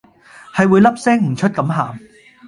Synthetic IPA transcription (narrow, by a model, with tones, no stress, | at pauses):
hɐ˨jwuː˨˧jlɐ˥p̚sɛː˥ŋm̩˨˩t͡ʃʰɵ˥t̚kɐ˨˥mɦaː˨m